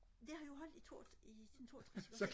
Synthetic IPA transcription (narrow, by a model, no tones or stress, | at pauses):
d̥e̝hɑ̈jo̝ɦɒ̽l̰d̥it͡sʰo̝̰̥ːid̥ent͡sʰo̝̰ɐt͡sʰʁassɒ